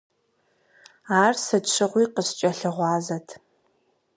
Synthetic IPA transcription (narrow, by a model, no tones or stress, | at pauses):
aːrsɨt͡ʃʷʰɨʁʷiːqəst͡ʃʼɐɬɨʁʷɑːzɐtʰ